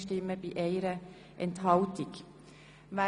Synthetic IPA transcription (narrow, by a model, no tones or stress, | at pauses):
ʃtɪmːəb̥iːʔeɪɾə | ʔɛnthɑltɪɡ | ʋæ